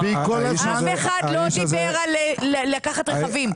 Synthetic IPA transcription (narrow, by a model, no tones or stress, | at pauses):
bikolameχad̪lod̪ibeʁalellakaχat̪ʁeχavim